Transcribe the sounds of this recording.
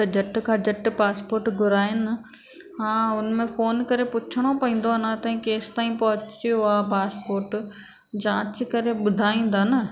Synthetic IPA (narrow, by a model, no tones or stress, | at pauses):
ɐd͡ʑɐʈkʰãːd͡ʑɐʈpaːspoːɾʈɡʱʊɾaːɪnɪ | ɦãːʊnmẽfoːnkɐɾepʊt͡ɕʰəɽ̃opɐĩːn̆d̪onat̪ɐĩkeːst̪aːĩpɐɦʊt͡ɕiʊapaːspoːɾʈ | d͡ʑãːt͡ɕkɐɾeɓʊd̪ʱaːĩːn̆d̪aːnɐ